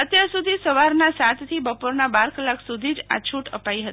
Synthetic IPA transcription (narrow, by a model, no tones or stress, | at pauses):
ət̪jaɾsud̪ʱisəʋaɾnasat̪ʰt̪ʰibəpoɾnabaɾkəlːakʰsud̪ʱid͡ʒa̰t͡ʃʰuʈə̰paiɦət̪ii